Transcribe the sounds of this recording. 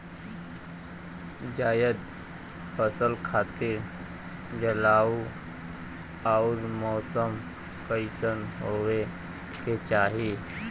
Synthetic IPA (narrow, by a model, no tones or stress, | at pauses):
d͡ʒaːjəd̪ | pəsəlkʰaːt̪e | d͡ʒəlaːu | ɔːɾmɔːsəm | kəɪsənɦoːwe | ket͡ʃaːɦieː